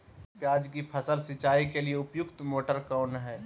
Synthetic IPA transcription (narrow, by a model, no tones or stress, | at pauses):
pjaːd͡ʒkipʰəsəlsɪt͡ʃaːikelieʊpjʊkt̪moːʈəɾkaʊɳɦɛː